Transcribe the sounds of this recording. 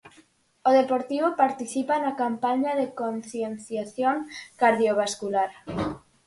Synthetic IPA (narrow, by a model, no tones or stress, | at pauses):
oðepoɾt̪iβ̞opaɾt̪iθipanakampaɲaðekonθjenθjaθjoŋkaɾðjoβ̞askulaɾ